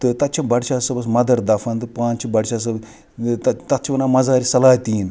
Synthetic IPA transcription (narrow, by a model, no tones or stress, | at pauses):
t̪ɨt̪ɐt̪̚t͡ʃʰɐbɐɽʃʰaːsɐbɐs̬mɐd̪ɐɾd̪ɐfʰɐnt̪ɨpaːnt͡ʃʰibɐɽʃaːs̬ɐb | t̪ɐt̪ɐt̪t͡ʃʰiʋɐnaːmɐzaːɾisɐlaːt̪ʲiːn